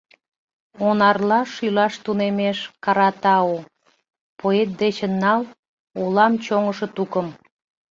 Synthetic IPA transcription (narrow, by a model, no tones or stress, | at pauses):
onɑrlɑʃylɑʃt̪unemeʃkɑɾɑt̪ɑo | poet̪̚d̪et͡ɕə̆nːɑl | olɑmt͡ɕoŋəʃə̆t̪ukəm